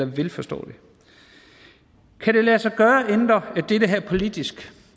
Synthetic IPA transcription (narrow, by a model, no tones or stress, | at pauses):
ɐʋelfɒsd̥ɔ̰ːd̥e̝ | kʰæɾe̝læːsɑɪɡ̥ɶːɐend̥ɐed̥ed̥əɦæɐ̰pʰo̝lid̥isɡ̥